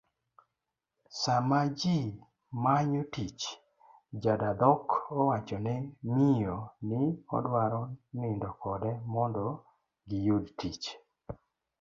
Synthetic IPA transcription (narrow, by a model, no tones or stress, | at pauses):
samad͡ʒi | maɲotit͡ʃ | d͡ʒadad̪ɔkɔwat͡ʃɔnɛmijonɪɔ̰dwaɾɔnɪndɔkɔdɛmɔndɔ | ɡɪjodtit͡ʃ